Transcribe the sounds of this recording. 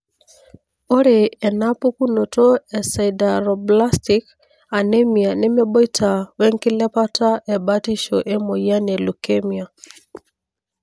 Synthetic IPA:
o˦ɾɛ˨ɛ˨na˦pɔ˦ku˦nɔ˨tɔ˦ɛ˨sa˨ida˨ɾɔ˨bla˦sti˨k | a˨nɛ˦mi˨a˨nɛ˦mɛ˦ɓɔ˦i˦tʰa˨wɛ˦ŋki˦lɛ˦pa˦ta˦ʔɛ˨ba˦ti˦ʃɔ˨ʔɛ˦mɔ˨ja˦nɛ˨lu˨kɛ˦mia˨

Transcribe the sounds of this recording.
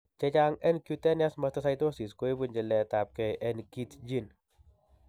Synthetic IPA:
t͡ʃɛ˧t͡ʃaŋɛ˦nkjutɛ˦njasmɐst̪ɐsajto˦si˨sko˦e˦bu˦˨nd͡ʒɛ˨lɛ˨ta˨p̚kɛ˨ʔɛnki˦td͡ʒi˦n

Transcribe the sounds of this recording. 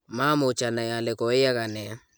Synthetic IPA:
ma˦mʊ˨t͡ʃa˨na˨ja˨lɛ˨kɔ˨ɪ˦a˦ka˨nɛ˨a˦

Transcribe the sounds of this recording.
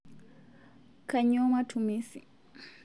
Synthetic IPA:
ka˨ɲɔ˦ma˦tʰumisi

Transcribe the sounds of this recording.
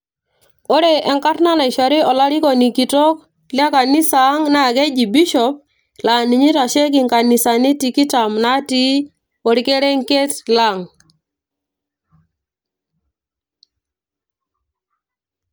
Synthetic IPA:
o˦ɾe˨ʔɛ˨ŋka˦rna˦na˨i˨ʃa˨ɾi˦ɔ˨la˦ɾi˦kɔ˨ni˨ki˨tɔ˦k | lja˦ka˨ni˦sa˨˦ŋna˦˨ɡe˦d͡ʒi˨bi˦ʃɔ˨˦p̚ | la˨ni˨ɲi˦ɾa˨ʃe˦ɡ̬ɪ˨ŋka˨ni˨sa˨ni˦ti˨ki˦ta˨mna˦ti˦ | ɔ˨ɾi˦ke˦ɾe˦ŋke˦tla˨ŋ

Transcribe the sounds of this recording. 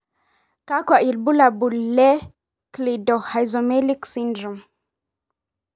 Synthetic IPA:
ka˦ka˨ʔi˨lbu˦la˨bu˨lːɛ˦ | kli˨dɔ˨ha˨jzo˨me˦li˦ksi˦ndɾu˨m

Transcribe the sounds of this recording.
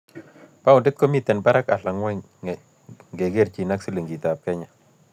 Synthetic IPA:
pa˦ʊ˨ndɪ˦t̪̚ko˦mi˦t̪ɛ˨nba˦ɾa˦ka˨ɬa˨ŋwɛ˦ | ŋɡe˨ɡe˦˨rt͡ʃi˨na˦ksi˦le˨ŋɡi˨ta˨p̚kɛ˦ɲa˨

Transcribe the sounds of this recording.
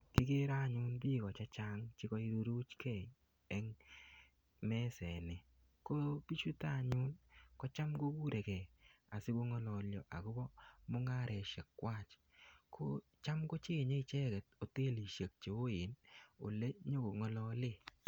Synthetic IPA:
kɪ˦ke˦ɾa˦˨ɲʊ˦nbi˦˨kɔ˨t͡ʃa˦t͡ʃa˦ŋt͡ʃɪ˦kɔ˦i˦ɾo˦ɾu˦t͡ʃkʰɛ˦˨ | ɛ˦ŋ | mɛ˦sɛ˨nɪ˨ | ko˦bi˦t͡ʃu˦ta˦˨ɲʊ˦nkɔ˦t͡ʃa˦mɡo˦ku˦ɾe˨kɛ˨a˨sɪ˦ko˦ŋɔ˦lɔ˨ljɔ˨ʔa̰˨ko˦bɔ˦mo˦ŋa˦ɾɛ˨ʃe˨kːwa˦˨t͡ʃ | kʰo˦ | t͡ʃa˦mko˦t͡ʃe˦˨ɲe˦i˨t͡ʃɛ˦kɛ˨t̚o˨te˦˨li˨ʃe˨k̚t͡ʃe˨o˦ɪ˨no̰˨le˦ɲo˦ko˨ŋɔ˦lɔ˦lɪ˦

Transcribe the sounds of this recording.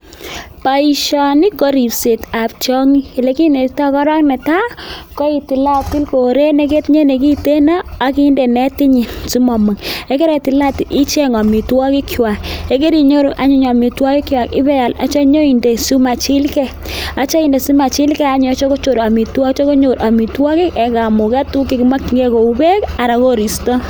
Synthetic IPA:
pa˨i˨ʃɔ˨ni˦ko˦ɾi˨pse˨ta˨p̚t͡ʃɔ˦ŋi˦e˨le˨˦ki˦ne˨ta˦kɔ˦ɾɔ˦knɛ˨ta˦kɔ˦i˨ti˨la˦ti˦lko˨ɾe˦ne˦k̬e˦tɲe˦ne˨ki˦te˦na˦a˦ki˦nde˨nɛ˦ti˦ɲi˨su˦mɔ˨mɨ˨ŋe˦ke˦ɾe˨ti˨la˦ti˨ʔi˦t͡ʃe˦ŋɔ˨mi˨twɔ˦ki˦kʰwa˨ke˦ke˦ɾi˨ɲo˦ɾu˨ʔa˦ɲu˦ɲa˨mi˨twɔ˦ki˦kwa˨kɪ˦bɛ˦ja˨la˦t͡ʃa˦ɲo˦i˨nde˨su˦ma˨t͡ʃi˦lkɛ˦ | a˨t͡ʃa˦i˨nde˨su˦ma˨t͡ʃi˦lkɛ˦a˦ɲ˨˦t͡ʃo˦ko˦t͡ʃo˨ɾa˨mi˨twɔ˦t͡ʃo˦ko˦ɲo˨ɾa˨mi˨twɔ˦kɪ˦kɛ˨ka˨mu˨kɛ˦tu˦kːi˦ki˦ma˦ki˨ŋɡe˦ko˨u˨˦be˦ka˨ɾa˨ko˦ɾi˨stɔ˦

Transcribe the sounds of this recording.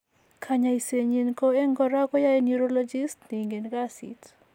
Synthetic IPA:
kʰaɲai˨se˨ɲinko˦e˦ŋɡɔɾa˦kɔ˦ja˦enuɾolɔ˦d͡ʒi˦stni˨ŋɡe˨nɡa˦sḭ˨t

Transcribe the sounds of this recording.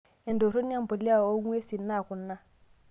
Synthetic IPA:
ɛ˨n˨do˨ɾo˦n˦a˦m̩˦bɔ˨li˦a˦˨o˦ŋwe˦si˨n̩˦na˦˨kʊ˨n̩ː˦na˦

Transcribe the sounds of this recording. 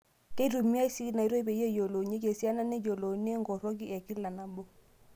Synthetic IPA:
ke˦i˦ɾu˨mi˦a˦i˦si˦i˦na˨i˨˦ɾo˦i˦be˨˦e˦˨jo˨lo˨ɲe˦ke˨si˦a˦na˦ne˦d͡ʒo˨lo˨ne˦ŋɡɔ˨ɾɔ˦k̬i˦ʔɛ˨ki˦la˨na˨mbo˦

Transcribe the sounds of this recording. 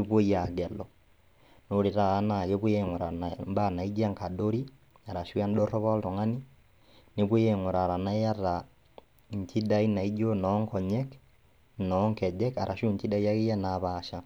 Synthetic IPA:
i˦bo˦ja˨ɡɛ˨lɔ˨ | no˨˦ɾe˨ɾaː˦˨˦na˨ɣe˦bu˦e˦ŋo˨ɾa˨amba˦˨na˨i˦d͡ʒa˦ŋka˨do˦ɾi˦ | a˨ɾa˨ʃu˦a˦nɗɔ˦rɔ˦βɔ˦ltɔ˨ŋa˦ni˦ | ne˦bwo˦je˦ŋo˨ɾa˨ɾa˨na˦ja˦ra˨ | ɲ˨tʰi˦da˦i˦na˨i˦d͡ʒo˦nɔ˨˦ŋkɔ˨ɲɛ˦k | nɔ˦ŋkɛ˨d͡ʒɛ˦ka˨ɾʔa˨ʃu˦ɲti˦da˦i˦ja˦ɣe˦ja˦na˨βaːʃa˦

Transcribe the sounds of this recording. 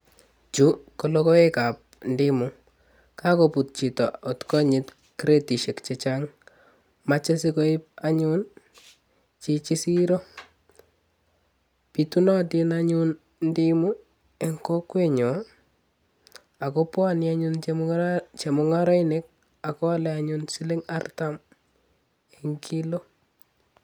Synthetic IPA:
t͡ʃu˦kolɔkɔ˦e˦ka˨p̚ndɪmu˨ | kʰa˦kopu˨t̚t͡ʃi˨tɔ˨ɔ˨tkɔ˦ɲɪ˨t | kɾe˦ti˨ʃe˨kt͡ʃet͡ʃaŋ | mat͡ʃe˦siko˦ip̚aɲu˦n | t͡ʃi˨t͡ʃi˦si˦ɾo˦ | pitu˦nɔ˦ti˦naɲun | ndi˦mu˦ | e˨ŋko˦kwe˦ɲɔ˨ | a˨kopwa˦njaɲun | t͡ʃe˨mʊŋaɾɔ˦ine˦k̚ | a˨kɔ˦a˦lɛaɲunsi˦le˦ŋa˦rtam | e˨ŋkʰi˦lo˦

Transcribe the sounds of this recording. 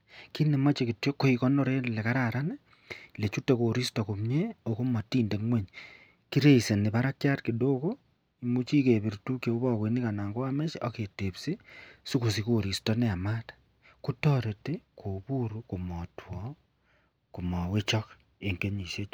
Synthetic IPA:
ki˦ne˨ma˦t͡ʃeki˨tjo˦kːo˦ikɔ˦no˦ɾe˦lɛ˨ka˦ɾaɾa˦ne˦ | le˨t͡ʃu˦te˦ko˨ɾi˦stɔ˨ku˨mɲe˦oku˦ma˨tiː˦nde˨ŋwe˦ɲ | ki˦ɾe˦ise˨ni˨βa˦ɾa˦kja˦tkido˦ko˦ | imu˦t͡ʃi˦ke˨βi˨ɾtu˦kjo˨u˦βɔ˦ke˨ni˦ka˨naː˨ŋɡo˦a˦me˦t͡ʃo˦ke˨te˨psi˦su˦ku˨s̬i˦ko˨ɾi˨stɔnɛ˦a˨ma˦tḁ | ku˦tɔɾe˨te˦kʰo˨bu˦ɾuku˨mɔtʰwɔ˨ | ku˨mɔ˨we˦t͡ʃɔ˦k | e˨ŋke˦ɲi˨ʃe˦t͡ʃ

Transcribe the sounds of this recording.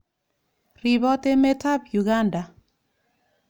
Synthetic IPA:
ri˨bɔ˦te˦me˦ta˦bju˨ɡa˦nda˨

